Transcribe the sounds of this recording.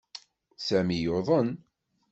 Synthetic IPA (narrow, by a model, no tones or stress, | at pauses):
sæmijoðˤən